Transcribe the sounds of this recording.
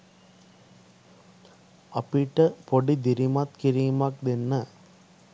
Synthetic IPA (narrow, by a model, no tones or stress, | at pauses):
ɐpːiːʈːɐpɔɽid̪ɪɾimaːt̪̚kɪɾimaːk̚d̪ɛnːɐ